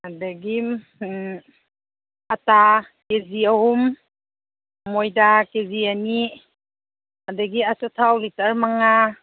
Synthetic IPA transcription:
adaɡi | ata | keziahum | ojdakeziani | adaɡiasatʰawlitaɾmaŋa

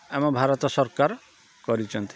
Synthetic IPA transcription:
ɛmɔbʱaɾɔt̪ɔsɔɾkaɾ | kɔɾit͡ʃʰɔnt̪i̥

